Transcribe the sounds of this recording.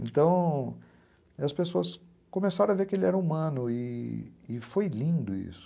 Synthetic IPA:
ḛ̃nt̪ɐ̃w̃ | ɐspesoɐs | kõmesaɾõɐveɾkɪelɪɛɾɐumɐ̃nʊɪː | fojlĩnd̪ʊḭsʊ̥

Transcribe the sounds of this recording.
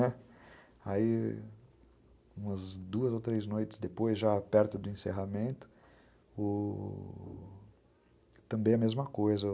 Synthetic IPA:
nɛ | ai | ũmɐzd̪uɐzowt̪ɾejznojt͡ʃ̪ɪ̥sd̪epojzʒapɛɾt̪ʊd̪ʊẽseɦamẽnt̪ʊ̥ | ʊ | t̪ɐ̃mbẽj̃ɐmezmɐkojzɐ

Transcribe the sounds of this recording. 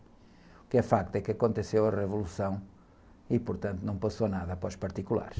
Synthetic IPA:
ukɛfak̚t̪uɛkɐkõnt̪ɨsewɐʁɨvulˠusɐ̃w̃ | ipuɾt̪ɐ̃nt̪unɐ̃w̃pɐsonaðɐpɾɔʃpɐɾt̪ikulˠa̰ɾʃ

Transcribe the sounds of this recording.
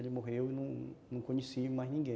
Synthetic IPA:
elɪmoɦewɪnɐ̃w̃nɐ̃w̃kõɲesimajznĩɡẽ

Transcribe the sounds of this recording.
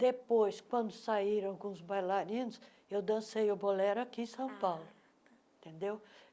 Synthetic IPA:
d̪epojskwɐ̃nd̪ʊsaiɾɐ̃w̃kõʊzbajlaɾĩnʊs | ewd̪ɐ̃sejʊbolɛɾakĩsɐ̃w̃pawlʊ | ẽt̪ẽnd̪ew

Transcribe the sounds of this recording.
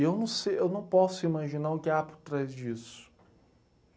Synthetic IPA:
ewnɐ̃w̃sejewnɐ̃w̃pɔsʊimaʒinaɾʊkɪapoɾt̪ɾajzd͡ʒisʊ̥

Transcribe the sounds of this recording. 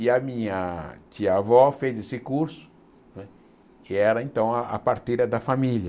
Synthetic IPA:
ɪɐmĩɲɐt͡ʃiɐavɔfezesɪkuɾsʊ̥ | nɛ | ɪɛɾɐẽnt̪ɐ̃w̃ɐa̰paɾt̪ejɾɐd̪ɐfamiljɐ

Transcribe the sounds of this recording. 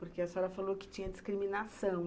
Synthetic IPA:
poɾkeasaɾɐfalokɪ̥t͡ʃĩɲɐd͡ʒiskɾiminasɐ̃w̃

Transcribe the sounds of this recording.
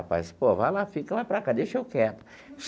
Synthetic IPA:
apa̰jspovajlafikɐlajpɾakad̪eʃewkɛt̪ɐ̥ | s

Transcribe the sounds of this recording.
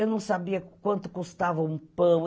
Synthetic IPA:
ewnɐ̃w̃sabiɐkwɐ̃nt̪ʊ̥kust̪avɐũpɐ̃w̃

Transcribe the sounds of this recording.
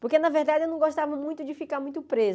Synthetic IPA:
poɾkenɐveɾd̪ad͡ʒɪewnɐ̃w̃ɡoʃt̪avɐmũj̃t̪ʊd͡ʒɪfikaɾmũj̃t̪ʊpɾez

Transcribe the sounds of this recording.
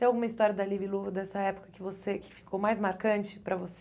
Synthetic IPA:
tẽawɡũmɐist̪ɔɾjɐd̪ɐlivilud̪ɛsɐɛpʊ̥kɐkɪvosekɪ̥fi̥kʰomajzmaɾkɐ̃nt͡ʃɪ̥pɾɐvos

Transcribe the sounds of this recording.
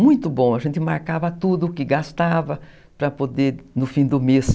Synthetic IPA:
mũj̃t̪ʊbõɐʒẽnt̪ɪmaɾkavɐt̪ud̪ʊkɪɡast̪avɐ | pɾɐpod̪eɾnʊfĩd̪ʊmes

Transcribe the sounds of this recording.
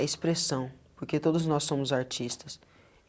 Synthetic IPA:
espɾesɐ̃w̃poɾket̪od̪ʊznɔsːõmʊzaɾt͡ʃist̪ɐs

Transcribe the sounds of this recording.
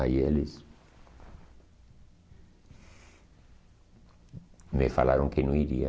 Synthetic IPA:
ajeles | mefalaɾõŋkenõiɾḭa

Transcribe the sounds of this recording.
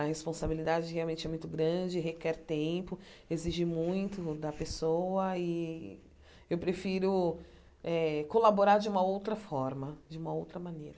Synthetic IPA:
ɐhespõsabilid̪ad͡ʒɪheawmẽnt͡ʃɪɛmũj̃t̪ʊɡɾɐ̃d͡ʒɪɦekɛɾt̪ẽpʊeziʒimũj̃t̪ʊd̪ɐpesowɐɪ | ewpɾefiɾʊ | ɛkolaboɾaɾd͡ʒɪũmɐowt̪ɾɐfɔɾmɐd͡ʒɪũmɐowt̪ɾɐmɐnejɾɐ

